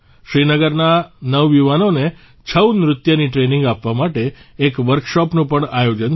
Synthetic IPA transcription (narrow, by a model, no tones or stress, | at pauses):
ʃɾinəɡəɾnanəʋːjuʋanone | t͡ʃʰəwnɾʊt̪jəniʈɾenĩŋɡapʋamaʈeːkʋəɾkʃɔpnũpəɳajod͡ʒən